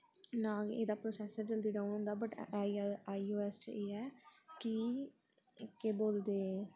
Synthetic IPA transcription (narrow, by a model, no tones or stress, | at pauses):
nãːḛːd̪aːpɾoːsɛːsd͡ʒəld̪iːɖaːunɦʊ̃nd̪aːbəʈː | aːioːɛːst͡ʃə̰eːɛːkɪ | keːboːld̪eː